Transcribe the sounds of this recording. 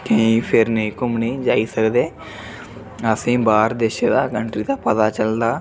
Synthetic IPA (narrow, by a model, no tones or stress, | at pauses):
kə̃ĩːpʰɪɾnəĩːkʊmniːd͡ʒaːiːsəkd̪eː | əsĩːbaːɾd̪eːʃeːd̪aːkəɳʈɾiːd̪aːpət̪aːt͡ʃəld̪aː